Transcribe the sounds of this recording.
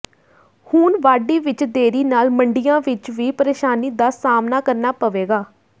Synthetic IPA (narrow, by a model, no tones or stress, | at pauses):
huːnʋaːɖiːʋɪt͡ʃd̪eːɾiːnaːlməɳɖɪjãːʋɪt͡ʃʋiːpəɾeːʃaːniːd̪aːsaːmnaːkəɾnaːpəʋeːɡaː